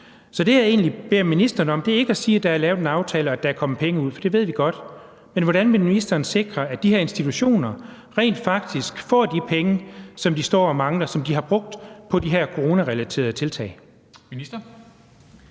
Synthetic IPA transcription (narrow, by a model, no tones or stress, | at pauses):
sɒ̽d̥e̝jae̝̰ːnlib̥e̝ɐ̰minisd̥ɐnəɒ̽md̥e̝ɐe̝ɡ̥əæsiːd̥ɑ̈æɐlɛːʊðˠenɑ̈ʊt͡sʰɛːləɒæd̥ææɐkʰɒ̽məpʰeŋəuð̞̰ˠfɒ̽d̥e̝ʋe̝ð̞̰ˠʋiɡ̥ɒ̽d̥ | menʋɒɾænʋeminisd̥ɐːnse̝ɡ̥ʁɐæd̥iɦæɐe̝nsd̥it͡sʰuɕo̝̰ːnɐ | ʁɛ̰ːnd̥fɑ̈ɡ̥̚d̥isɡ̥fɒ̰ːd̥ipʰeŋəsɒ̽md̥isd̥ɒ̰ːɒmɑ̈ŋlɐsɒ̽md̥iɦɑ̈b̥ʁɔ̽ɡ̥̚d̥pʰɒ̽d̥iɦæɐ̰kʰo̝ʁo̝ːnæʁɛlæt͡sʰe̝̰ːɐðˠt͡sʰe̝lt͡sʰɛ̰ːɪ | minisd̥ɐ